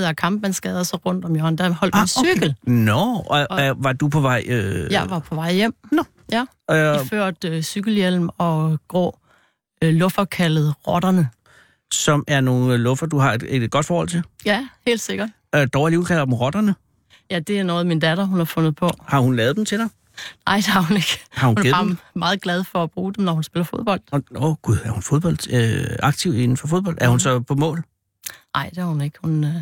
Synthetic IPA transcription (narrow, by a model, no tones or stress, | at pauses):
ðˠækʰɑ̈mb̥mænsɡ̥ɛːðˠɐsɒ̽ʁɔ̽n̰d̥ɒ̽mjoɐnd̥æɐhɒ̽l̰dmnsyɡ̥əl̩nɔ | ʋɑ̈d̥upʰɒ̽ʋɑ̈ɪ̰øjɑʋɑ̈pʰɒ̽ʋɑ̈ɪ̰jem̰ | jæ | iføɐ̰d̥syɡ̥l̩jel̰m̩ɒ̽ɡ̥ʁɔ̰ː | lɔ̽fɐkʰæləð̞̩ˠʁɒ̽d̥ɐnə | sɒ̽mæɐno̝ːn̩lɔfɐd̥uhɑ̈ed̥e̥ɡ̥ɒ̽d̥fɒːhɒ̽l̰t͡sʰe̝ljæhe̝̰ːld̥se̝ɡ̥ɐd̥ | ød̥ɒʊliukʰælɐd̥m̩ʁɒ̽d̥ɐnə | jæd̥e̝æɐnɔ̽ːð̩ˠmind̥æd̥ɐɦunhɑ̈fɔ̽nð̩ˠpʰɒ̽hɑ̈hunlɛːð̞̩ˠd̥em̩t͡sʰe̝d̥ɑ̈ɪ | nɑ̈ɪ̰d̥e̝hɑ̈hune̝ɡ̥hɑ̈huneðmmɑ̈ːð̩ˠɡ̥lɛð̞ˠfɒ̽æb̥ʁuːd̥emnɒhunsb̥e̝lɐfo̝ðˠb̥ɒ̽l̰d̥oɡ̥uðˠæɐhunfo̝ð̞ˠb̥ɒ̽l̰d̥øɑ̈ɡ̥̚t͡sʰiʊe̝nn̩fɒ̽fo̝ð̞ˠb̥ɒ̽ld̥æɐhunsɒ̽pʰɒ̽mɔ̰̽ːl | nɑ̈ɪ̰d̥e̝hɑ̈hune̝ɡ̥əhun